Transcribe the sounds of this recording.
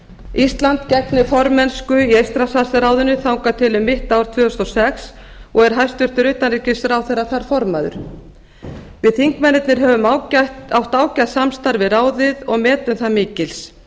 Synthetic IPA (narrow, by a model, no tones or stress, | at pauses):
ist̪lant̪cɛknɪfɔɾmɛnskʏiejst̪ɾasasɪɾaːwðʏnʏθawŋkat̪ʰɪlʏmːɪht̪aːwɾ̥t̪ʰvœːʏst̪ɔsɛks | ɔɣɛɾ̥ɦajst̪ʏr̥t̪ʏɾʏht̪anriːcɪsɾawθɛjrːaθaɾ̥fɔɾmaðʏ̰ɾ̥ | vɪðθiŋkmɛnːɪt̪nɪɾɦɛvʏmaawht̪aːwcaðsamst̪aɾvɪraːwðɪðɔɣmɛːt̪ʏmθamiːcɪls